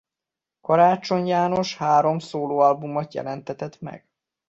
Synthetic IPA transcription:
kɔɾaːt͡ʃo̞ɲjaːno̞ʃhaːɾo̞msoːloːɒlbumɒt̪jɛ̰lɛnt̪ɛt̪ɛt̪mɛ̰ɡ̥

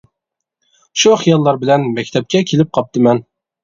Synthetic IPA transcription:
ʃuχijɑlˠːɑɾbɪlɛnmɛkʲt̪ʰɛp̚kʲʰɛkʲʰelɪp̚qʰɑp̚t̪ɨmɛn

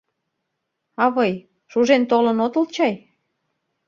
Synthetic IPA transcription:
ɑβɤj | ʃuʒent̪olənot̪əlt͡ɕɑj

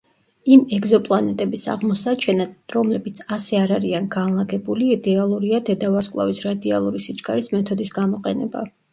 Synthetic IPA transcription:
imɛɡzɔpʼlˠanɛt̪ʼɛbisa̰ʁmɔsat͡ʃʰɛnaɾɔmlɛbit̪sʰasɛaɾaɾianɡanlˠaɡɛbuliːd̪ɛalˠuɾiad̪ɛd̪avaɾskʼlˠa̰visɾad̪ialˠuɾisid͡ʒɡaɾismɛt̪ʰɔd̪isɡamɔqʼɛnɛba

